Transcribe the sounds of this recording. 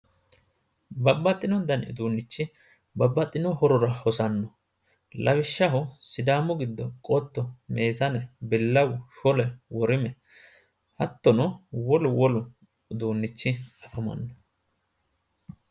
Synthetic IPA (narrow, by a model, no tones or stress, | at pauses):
bɐbːɐt̪ʼːɪnɔnd̪ɐnɪ̰d̪uːnːɪt͡ʃːɪ | bɐbːɐt̪ʼːɪnɔhɔɾɔɾɐhɔsɐnːɔ | lʔɐwɪʃːɐɦʊsɪd̪aːmʊɡɪd̪ːɔkʼɔt̪ːɔme̞ːsɐnɛbɪlːɐwʊʃɔlɛwɔɾɪmɛ | hɐt̪ːɔnʊwɔlʊwɔlʊ | d̪uːnːɪt͡ʃːɪɐfɐmɐ̰nːɔ